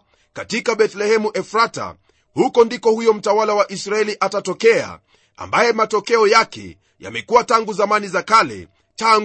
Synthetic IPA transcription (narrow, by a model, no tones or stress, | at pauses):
katikaɓɛtlɛhɛmuʔɛfɾata̰ | hukɔndikɔhujɔm̩tawalawaʔisɾaɛliʔatatɔkɛa̰ | a̰mbajɛmatɔkɛɔjakɛ̰ | ja̰mɛkuwataŋɡuzamanizakalɛ̰ | taŋ